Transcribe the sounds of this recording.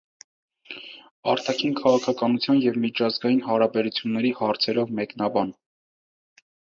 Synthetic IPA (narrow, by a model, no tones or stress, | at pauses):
ɑɾt̪ʰɑkʰinkʰɑʁɑkʰɑkɑnut͡sʰjɑnjɛvmit͡ʃʰɑzɡɑjinɦɑɾɑbɛɾut͡sʰjunːɛɾihɑɾt͡sʰɛɾɔvmɛknɑbɑn